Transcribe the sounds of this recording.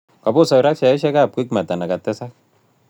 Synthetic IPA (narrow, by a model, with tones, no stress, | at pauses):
ka˨bo˦sɔ˨jɾa˦kt͡ʃa˨ɛ˦ʃɛ˦ka˦˨p̚kʷi˦k̚ma˨ta˨na˨ka˨tɛ˦sa˦k̚